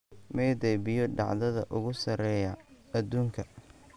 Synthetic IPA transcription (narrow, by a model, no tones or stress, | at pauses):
mɛjd̪ɛjbɪjɔɖɑ̰ʕðɐðɐʔʊɣʊsɐɾɛːjɐ | ɐd̪uːŋkʰɐ